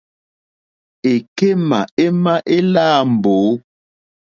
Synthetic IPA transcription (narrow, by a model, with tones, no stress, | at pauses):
e˨ke˦ma˨e˦ma˦ʔe˦laː˦˨m̩˨boː˨˦